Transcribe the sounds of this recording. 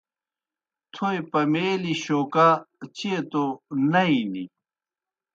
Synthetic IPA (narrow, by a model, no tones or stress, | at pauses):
t̪ʰoepɐmeːliɕoːkat͡ɕet̪onɐinḭ